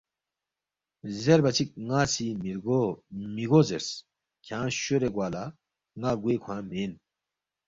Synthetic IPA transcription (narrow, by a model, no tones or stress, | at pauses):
zeɾbɐt͡sʰik̚ŋaːsimiɾɡomiɡozeɾs | kʰãːɕoɾeɡwaːla | ŋaːɡwekʰwãːmen